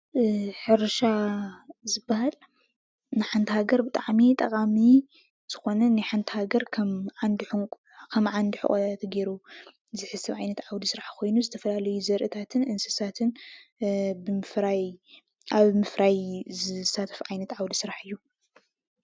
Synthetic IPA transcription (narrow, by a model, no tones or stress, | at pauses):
ħɨɾʃa | zɨbːahal | nɨħant̪ʰɨhaɡɐɾbɨt̪ʼaʕmit̪ʼɐqʼami | z̥ɨxo̞nɐnajħant̪ʰhaɡɐɾkʰɐmand̪i | kʰɐmʕand̪iħɨ̰kʼɐ̰at̪ɡeɾu | zɨħɨsɐβʕajnɐt̪ʕawd̪isɨɾaħkʰo̞jnuzɨt̪ʰɐfɐlalɐjuzɐɾʔɨt̪ʰat̪ʰɨnʔɨnsɨ̥sat̪ʰɨn | bɨmɨfɾaj | ʔaβmɨfɾajzɨsːat̪ʰɐ̥fʕajnɐt̪ʕawd̪isɨɾaħɨjːu